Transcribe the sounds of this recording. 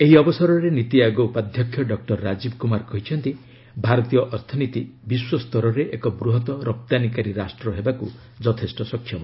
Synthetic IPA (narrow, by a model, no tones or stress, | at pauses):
eɦiɔbɔsɔɾɔɾenit̪iaɡɔupad̪ʱjɔkʰjɔɖɔk̚ʈɔɾːad͡ʒibkumaɾkɔɦit͡ʃʰɔnt̪i | bʱaɾɔt̪ijɔʔɔɾt̪ʰɔnit̪ibiswɔst̪ɔɾɔɾeʔekɔbɾuɦɔt̪ɔɾɔp̚t̪anikaɾiɾasʈɾɔɦebaku | d͡ʒɔt̪ʰesʈɔsɔkʰːjɔmɔ